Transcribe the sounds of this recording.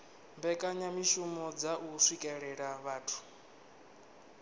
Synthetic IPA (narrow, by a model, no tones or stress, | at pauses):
mbɛkʼaɲamiʃumɔd͡zaʔusʷwikʼɛɺɛɺaβaːtʰu̥